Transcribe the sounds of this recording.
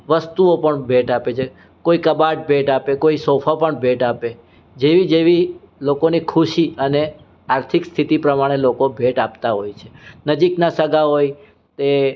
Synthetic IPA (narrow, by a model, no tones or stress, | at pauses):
ʋəst̪uopəɳbʱeʈapet͡ʃʰe | koikəbaʈ̚bʱeʈapekoisofʰapəɳbʱeʈape | d͡ʒeʋid͡ʒeʋi | lokonikʰuʃiəne | aɾt̪ʰikst̪ʰit̪ipɾəmaɽ̃elokobʱeʈapt̪aɦojt͡ʃʰe̥nəd͡ʒiknasəɡaɦoj | t̪e